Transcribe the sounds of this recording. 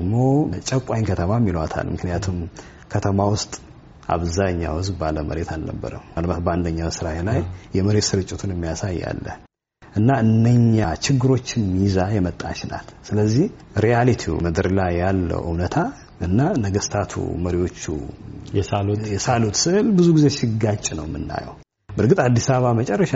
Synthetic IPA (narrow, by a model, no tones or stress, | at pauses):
ɡmo̞t͡ʃʼəkʷʼajnkʰət̪ʰəmamːiləwat̪ʰa̰lmɨknɨjat̪ʰum | kʰət̪ʰəmawʊst̪ʼ | ʔa̰βzaɲːa̰wʊzbbaləmə̰ɾe̞t̪ʰalnə̰bːə̰ɾə̰malbat̪̚bəand̪əɲːawsɨɾajelajːɛməɾet̪sɨɾɨt͡ʃʼːɪt̪ʰunɛmːijasajːa̰lːə̰h | ʔɨnːaɨndəɲːat͡ʃɪɡːɨɾo̞t͡ʃːɪnmizajɛmət̪ʼːa̰t͡ʃɪna̰lsɨləzːih | ɾijalit̪ʰimɨd̪ɨɾlajːalːə̰ʔɨ̰wnət̪ʰa | ʔɨnːanəɡəst̪ʰat̪ʰṵməɾiwo̞t͡ʃːṵjɛsalotjɛsalut̪sɨʔɨlbɨzuɡizeʃɪɡat͡ʃʼːnəwmɨnːa̰jə̰w | bəɾkʼɨt̪ʼad̪ːisaβəβamət͡ʃʼɛrːəʃa